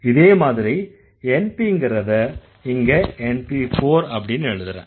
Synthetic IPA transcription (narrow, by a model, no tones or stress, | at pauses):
ɪðeːmaːðɪɾɐɪ | ɛnpiŋɡɪɾɐðɐ | ɪŋɡɐɛnpifoːɾɐpːɐɽɪnːɯɛɻɯðɯɾḛ̃ː